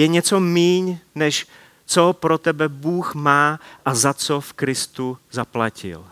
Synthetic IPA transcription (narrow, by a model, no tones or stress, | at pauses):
jɛɲɛt͡somiːɲnɛʃ | t͡sopɾot̪ɛbɛbuːxmaːʔazat͡sofkɾɪst̪uzaplacɪ̰l